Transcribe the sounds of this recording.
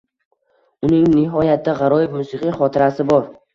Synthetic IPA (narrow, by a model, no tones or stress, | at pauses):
ʊnɪŋnɪɦɒjat̪̚ːaʁɑɾɒjɪfmʊsɨqʰɨjχɒt̪ʰɪɾasɪbɒɾ